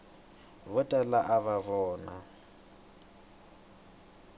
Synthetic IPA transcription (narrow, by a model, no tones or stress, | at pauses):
βʊtʼalaʔaβaβɔːna